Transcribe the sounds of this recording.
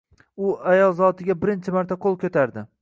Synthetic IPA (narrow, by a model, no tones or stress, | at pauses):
ʊajɒlˠzɒt̪ʰɪɡʲabɪɾɪnt͡ʃʰɪmaɾt̪ʰaqʰolˠkʰʲɵt̪ʰaɾd̪ɪ